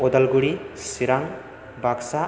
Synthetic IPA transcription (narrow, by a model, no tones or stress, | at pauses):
ɔd̪alɡuɽisiɾaŋ | baksa